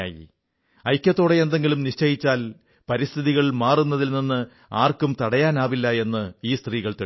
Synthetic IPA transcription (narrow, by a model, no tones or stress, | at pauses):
a̰ːjḭ | ɐjkʲːɐt̪ːo̞ːɽeend̪e̞ŋɡilumniʂt͡ɕɐjit͡ɕːaːl | pɐɾist̪ʰiðiɣɐɭmaːrunːɐðilninːɨ | aːrkumt̪ɐɽɐjaːnaːʋilːɐe̞nːɨiːst̪riːɣɐɭt̪e